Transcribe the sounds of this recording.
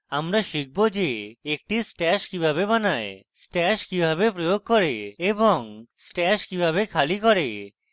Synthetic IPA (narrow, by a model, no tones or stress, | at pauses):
amɾaʃik̚bod͡ʑeek̚ʈisʈɛʃkibʱabebanaesʈɛʃkibʱabepɾojoɡ̚kɔɾeeboŋsʈɛʃkibʱaβekʰalikɔɾe